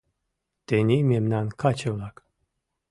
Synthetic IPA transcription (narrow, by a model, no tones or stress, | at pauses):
d̪̥enimemnankʰat͡ʃʰɯlˠak